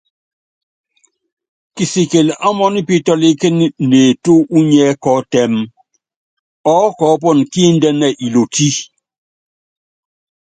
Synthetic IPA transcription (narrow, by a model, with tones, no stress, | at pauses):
ki˨si˨ke˨la˦mɔ˦ni˦pi˦tɔ˦li˦ke˦n˦˨ne˨to˦u˦ɲɛ˦kɔ˨˦tɛ˨m | ɔ˦kɔ˨˦p̬ɔ˦˨nki˦n̩˦dɛ˦nɛ˦˨ʔi˨lo˨ti˦